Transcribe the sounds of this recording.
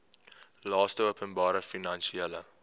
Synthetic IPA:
lɑːstəuəpənbɑːɾəfinɐnʃiɛlə

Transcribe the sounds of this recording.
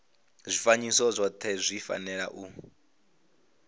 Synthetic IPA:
zʷifaɲisɔzʷɔt̪ʰɛzʷifa̰nɛɺa̰ʔu

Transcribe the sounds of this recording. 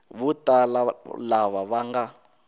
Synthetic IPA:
βutalalaβaβaŋɡa

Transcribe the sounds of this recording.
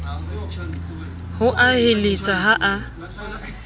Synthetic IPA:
hʊʔahɪlɪt͡sʼaɦaʔa

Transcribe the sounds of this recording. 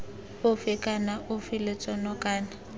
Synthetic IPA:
ʊfɪkʼanaʔʊfɪlɪt͡sʼɔnɔkʼaːna

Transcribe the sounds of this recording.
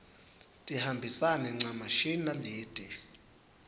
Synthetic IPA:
tʼihambʱisanɛŋ͡ǀamaʃinaliːd̥ʱɛ

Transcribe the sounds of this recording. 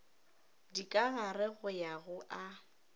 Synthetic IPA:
dikʼaɣarɪɣʊjaɣʊʔa

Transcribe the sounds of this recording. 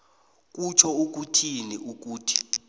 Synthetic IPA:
k̬ʼut͡ʃʰɔuk̬ʼutʰiniʔuk̬uːtʰi̥

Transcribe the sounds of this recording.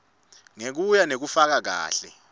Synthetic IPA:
ŋek̬ujanek̬ufak̬ak̬a̰ːɬɛ̰

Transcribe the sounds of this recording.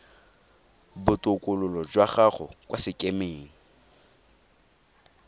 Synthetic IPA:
bʊtʼʊkʼʊlʊlɔd͡ʒwaχaχɔ̰kʼwʔasɪkʼemeːŋ̩

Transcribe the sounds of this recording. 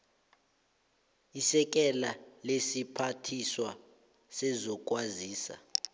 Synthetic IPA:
isɛk̬ʼɛlalesipʰatʰiswa | sɛzɔk̬ʼwaziːsa̰

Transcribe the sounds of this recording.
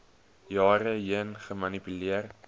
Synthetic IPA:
jɑːɾəjənχəmɐnipyliər

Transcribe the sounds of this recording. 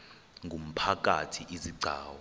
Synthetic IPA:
ŋɡʱum̩pʰak̬ʼatʰiʔiziɡ͡ǀʱa̰ːwɔ

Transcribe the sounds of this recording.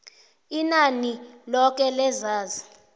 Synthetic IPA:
inanilɔk̬ɛlɛzaːzi

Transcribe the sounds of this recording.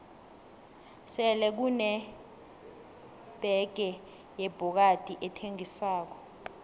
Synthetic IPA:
sɛlɛk̬unɛ | b̥ʱɛɡ̥ʱɛ | jɛb̥ʱɔk̬ad̥ʱʼiʔɛtʰeŋiswaːk̬ɔ̥

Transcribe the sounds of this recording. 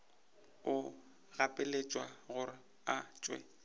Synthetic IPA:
ʊ | ɣapʼɪlet͡ʃʼwaɣʊrɪ | at͡ʃʼwɛ̰

